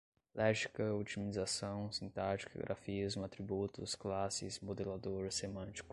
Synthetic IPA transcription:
lʔɛʒikɐut͡ʃimizasɐ̃w̃sĩnt̪aɾt͡ʃi̥kɐ̰ɡɾʔa̰fizmʊat̪ɾibut̪ʊ̰sklasɪsmod̪elad̪oɾsemɐ̃nt͡ʃi̥kʊ̥

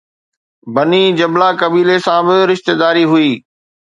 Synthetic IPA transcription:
bɐniːd͡ʑɐblakɐbiːlesãbɪɾɪʃt̪ed̪aːɾiɦʊiː

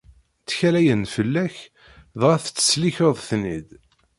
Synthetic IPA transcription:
t͡sːçælæjənfəlːæç | ðʁæθt͡sːə̥sliçəðˤθnid̪

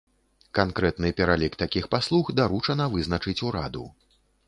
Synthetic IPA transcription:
kankɾɛt̪nɨpʲɛɾalʲikt̪akʲixpaslˠuxd̪aɾut͡ʂɐnɐvɨznɐt͡ʂɨt͡sʲuɾad̪ṵ

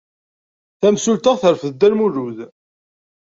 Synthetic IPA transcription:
θæmsult̪aʁθəɾfəðd̪ːælmuɾuð

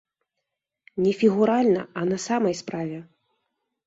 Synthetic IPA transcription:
nʲɛfʲiɣuɾalʲnɐ̰ɐnɐsamɐjspɾavʲɛ

